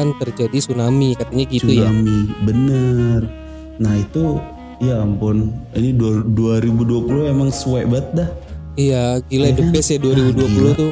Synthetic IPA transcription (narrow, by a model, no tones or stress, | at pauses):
ant̪ərd͡ʒadisunamikat̪aɲaɡisuamibənər | nahit̪u | jampʊniniduduaɾibuduapuluemaŋsuwɛbat̪̚dah | ijaɡiladəpɛsjaduaɾibuduapulut̪ʊ